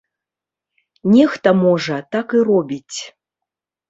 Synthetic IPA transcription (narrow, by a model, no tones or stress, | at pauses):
nʲɛxt̪ɐmɔʐɐt̪akiɾɔbʲit͡sʲ